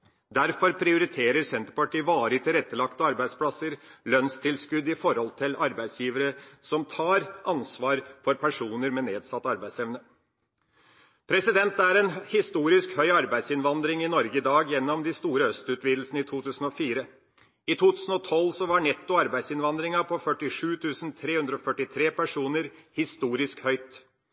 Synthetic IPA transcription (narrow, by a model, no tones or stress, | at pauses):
d̪æɾfɔɾpʰɾɪʊɾɪt̪ʰeːɾəɾsɛnt̪əɾpɑʈiːəʋɑːɾəɪt̪ʰɪlɾɛt̪ːəlɑkt̪əɑɾbæɪspʰlɑsəɾlœnst̪ʰɪlskʉd̪ɪfɔɾhɔlt̪ʰɪlɑɾbæɪsjiːʋəɾəsɔmt̪ʰɑːɾʔɑnsʋɑːɾfɔɾpʰæʂuːnəɾmɛneːd̪sɑt̪ːɑɾbæɪsɛʋnə | pʰɾɛsɪd̪ɛnt̪æɾɛnhɪst̪uːɾɪskhœʏɑɾbæɪd̪sɪnʋɑnd̪ɾɪŋɪnɔɾɡəɪd̪ɑːɡjɛnːɔmd̪ɪst̪uːɾəœst̪ʉːt̪ʰʋiːd̪l̩snəiːt̪ʰuːt̪ʰʉːsn̩ɔfiːɾə | ɪt̪ʰuːt̪ʰʉːsn̩ɔt̪ʰɔlːsɔʋɑɳɛt̪ːʊɑɾbæɪsɪnʋɑnd̪ɾɪŋɑpʰɔfœʈːɪʂʉːt̪ʰʉːsn̩t̪ʰɾeːʉnd̪ɾɔfœʈːɪt̪ʰɾeːpæʂuːnəɾhɪst̪uːɾɪskhœʏt̪